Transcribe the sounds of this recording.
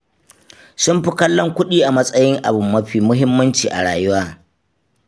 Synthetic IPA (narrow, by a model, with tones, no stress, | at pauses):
sʊ˦mɸɪ˦kɐ˦lːɔ˦ŋkʷʊ˦ɗiː˦ʔa˨mɐ˦sʼɐ˦jɪ˦ŋʔa˨bʊ˨mːɐ˦ɸiː˨mʊ˦ɦɪ˦mːɐ˦nt͡ʃiː˨ʔa̰˨ɽaː˨jʊ˦waː˦